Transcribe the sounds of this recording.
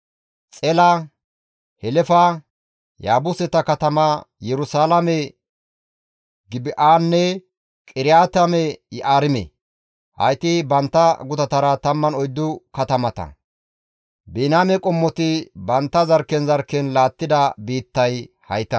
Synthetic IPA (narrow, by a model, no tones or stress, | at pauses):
t͡sʼɛlɐ | hɛlɛfɐ | jaːbʊsɛt̪ɐkɐt̪ɐmɐjɛɾʊsaːlɐmɛ | ɡɪbɪʔaːnːɛ | kʼɪɾɪjaːt̪ɐmɛjɛʔaːɾɪmɛ̰ | hɐ̰jt̪ɪbɐnt̪ːɐɡʊt̪ɐt̪ɐɾɐt̪ɐmːɐnɔjd̪ːʊkɐt̪ɐmɐt̪ɐ̰ | beːnaːmɛkʼɔmːɔt̪ɪbɐnt̪ːɐzɐɾkːɛnzɐɾkːɛnlaːt̪ːɪd̪ɐbiːt̪ːɐj | hɐ̰jt̪ːɐ